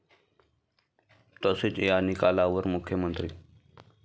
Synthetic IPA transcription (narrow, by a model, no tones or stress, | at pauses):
t̪əsɪt͡ʃejaːnɪkaːlaːʋəɾmʊkʰːjəmənt̪ɾiː